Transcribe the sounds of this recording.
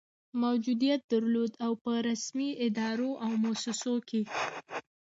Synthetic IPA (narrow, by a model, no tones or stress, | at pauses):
mawd͡ʒud̪ijat̪̚d̪aɾlod̪awpəɾasmiɪd̪ɑɾoʔawmosɪsoke